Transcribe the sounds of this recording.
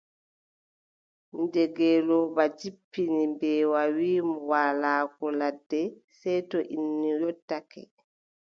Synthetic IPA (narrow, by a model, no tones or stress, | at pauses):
dɛɡɛlɔːbad͡ʒipːinimbɛwawiːmuwaːlaːkɔladːɛ | sɛjtɔʔinːijɔtːakɛ̰